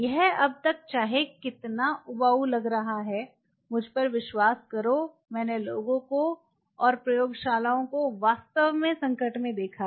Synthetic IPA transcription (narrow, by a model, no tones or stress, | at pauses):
jɛɦɐb̚t̪ɐk̚t͡ʃaːɦekɪt̪naʔʊbaːulɐɡɾɐɦaɦɛː | mʊd͡ʒʱpɐɾʋɪʃwaːskɐɾo | mɛ̃ːneloːɡõko | ɔːɾpɾɐjoːɡʃaːlaːõkoʋaːst̪əʋmẽsɐ̃ŋkəʈmẽd̪eːkʰa